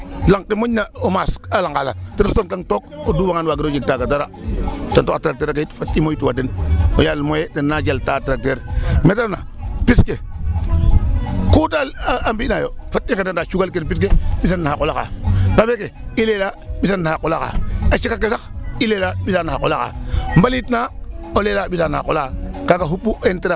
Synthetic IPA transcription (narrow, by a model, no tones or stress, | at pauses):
laŋkimoɲːaomasalaŋɡala̰tenstonkaŋtokoduwaŋanwaɡiɾod͡ʒiɡ̚taɡadaɾatontokatɾak̚teɾakaitfatimojtuwadenojalmojedenːad͡ʒaltatɾak̚teɾmetana̰piske | kuːtaambinajofatːikedandat͡ʃuɡalkenpisk̬ebisanːhakolaka̰pabekeilelabisanːaakulaka̰at͡ʃikakesakilelabisanahako̰laka̰mbalitnaolelabisanha̰kolakakakaɦubːuenteɾa